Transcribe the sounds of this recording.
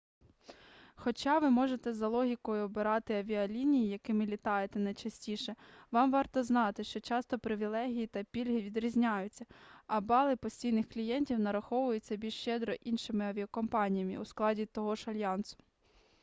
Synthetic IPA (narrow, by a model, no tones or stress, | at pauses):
xɔt͡ʃɑʋɪmɔʒet̪ɛzɐlˠɔɦʲikɔjʊɔbɪɾɑt̪ɪɐʋʲiɐlʲinʲijijɐkɪmɪlʲit̪ɑjet̪ɛnɐjt͡ʃɐsʲtʲiʃɛʋɑmʋɑrt̪ɔznɑt̪ɪʃt͡ʃɔt͡ʃɑst̪ɔpɾɪʋʲilˠɛɦʲijit̪ɐpʲilʲɦɪʋʲid̪ɾʲizʲnʲajʊt͡sʲːɐɐbɑlˠɪpɔsʲtʲijnɪxklʲijɛnʲtʲiwnɐɾɐxɔʋʊjʊt͡sʲːɐbʲilʲʃt͡ʃɛd̪ɾɔʔinʃɪmɪɐʋʲiɐkɔmpɑnʲijɐmɪ̰usklˠɑdʲit̪ɔɦɔʒɐlʲjɑnsʊ̥